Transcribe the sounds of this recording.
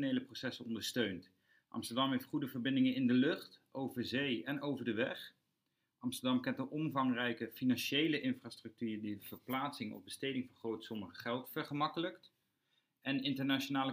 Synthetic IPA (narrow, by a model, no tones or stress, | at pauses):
nejləprosɛsənɔndəɹstøɥnt | ʔɑ̰mstəɹdɑmɦejftχudəvəɹbɪndɪŋənɪndəlɵχtowvəzejɛnowvəɹdəʋɛχ | ʔɑmstəɹdɑmkɛntdəʔɔmvɑŋrɛjkəfinɑnʃejləʔɪnfraːstrɵk̚tyːɹdiəv̥əɹplaːtsɪŋɔ̰vbəstejdɪŋvɑnχrowtsɔməχəχɛlˠtfəɹχəmɑkələkt | ɛnɪntəɹnat͡ʃonaːlə